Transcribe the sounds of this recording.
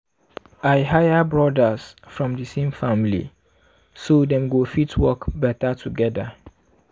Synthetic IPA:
ajɦajabɹɔdasfɹɔ̃mdɨsẽmfãmlḭ | sodɛ̃mɡofitʰwɔkbɛtʰatʰuɡɛda̰

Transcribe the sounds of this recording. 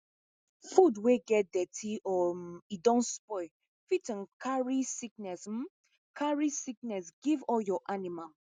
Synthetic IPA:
fudweɡɛt̚dɛtʰiʔɔidɔ̃nspɔɪ | fitnkʰaɹisiknɛsm̩ | kʰaɹisik̚nɛsɡivɔljɔʔanima

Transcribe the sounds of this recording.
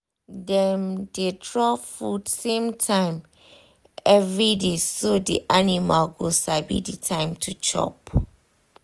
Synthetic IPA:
dɛmdetɹɔfudsẽmtʰãɪ̃m | ɛvɹidesodḭʔanimalɡosabḭditʰãɪ̃mtʰut͡ʃʰɔ̰p

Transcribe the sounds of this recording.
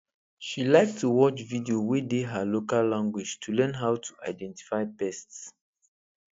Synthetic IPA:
ʃilaɪk̚tʰuwɔt͡ʃvidiowideɦəlokalːãŋɡwid͡ʒtʰulɛ̃nɦawtʰu̥ʔa̰ɪdɛ̃nti̥faɪpɛsts

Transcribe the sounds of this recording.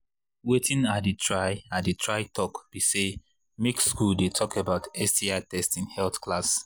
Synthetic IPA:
wetʰĩnatdɨtʰɹaɪadɨtʰɹaɪtʰɔkb̥ise | mekskuldetʰɔkabaʊtɛstiatʰɛstĩnhɛlθklas

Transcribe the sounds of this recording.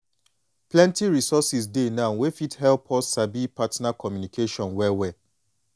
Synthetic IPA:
plɛ̃ntiɹisɔsis̬denãʊ̃nwefithɛlpʰɔsːabipatnakʰɔmjunikʰeʃɔ̃nwɛwɛ

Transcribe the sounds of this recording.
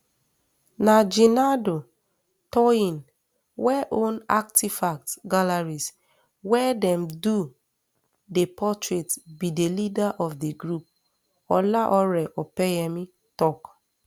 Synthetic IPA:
nad͡ʒinado | tɔĩn | wɛʔona̰k̚tifak̚tɡalaɹis | wɛdɛmdu | depʰɔtɹetbidelidaʔɔfdeɡɾup̚ | ɔlaʔɔɾɛʔɔpɛjɛmi | tɔk

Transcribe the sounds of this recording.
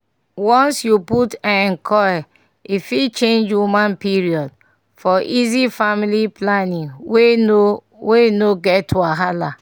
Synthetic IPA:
wɔ̃nsjuputãnɛ̃ŋkʰɔja | ifit͡ʃẽnd͡ʒwumãnpiɹiɔd | fɔʔizifamiliplanĩŋwe | weinoɡɛtʰːuaɦala

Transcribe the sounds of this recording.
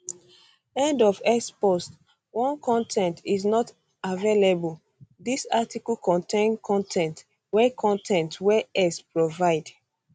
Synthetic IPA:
ɛ̃ndɔfɛspɔst | wɔ̃nkʰɔ̃ntʰɛ̃ntʰiznɔt | avelebəl | disatiklkʰɔ̃ntʰẽnkʰɔ̃ntʰɛ̃nt | wɛkʰɔ̃ntʰɛ̃ntwɛɛspɹovaɪd

